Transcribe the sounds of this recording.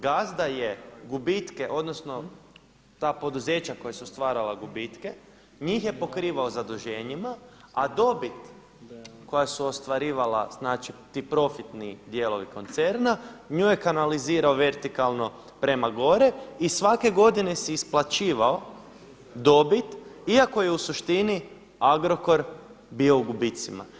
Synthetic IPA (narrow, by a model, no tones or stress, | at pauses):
ɡazd̪aje̞ɡubit̪keʔo̞d̪nosno̞ | t̪aːpo̞d̪uze̞ːt͡ɕako̞jesust̪ʋaːɾalaɡubit̪ke | ɲiːxje̞po̞kɾiːʋaozad̪uʒe̞ːɲimaad̪o̞bit̪ | ko̞jasuost̪ʋaɾiːʋala̰znaːt͡ʃit̪iːpɾo̞fit̪nid̪je̞lo̞ʋiko̞nt̪se̞ɾnaɲujekanaliziːɾaoʋe̞ɾt̪ikalˠno̞ | pɾe̞maɡo̞ɾeisʋake̞ɡo̞d̪ine̞siisplat͡ʃiːʋao | d̪o̞bit̪iako̞jeusuʃt̪ini | aɡɾo̞ko̞ɾ | bio̞uɡubit̪sima̰